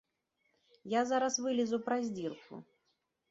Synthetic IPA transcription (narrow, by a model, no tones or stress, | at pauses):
jazaɾasvɨlʲɪzupɾazʲdʲirkʰʊ̰